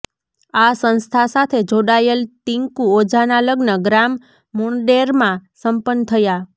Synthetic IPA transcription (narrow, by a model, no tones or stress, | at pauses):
asə̃nst̪ʰasat̪ʰed͡ʒoɽajelt̪iŋkuod͡ʒanaləɡnəɡɾamː | uɳɖeɾmãsəmpənːt̪ʰəja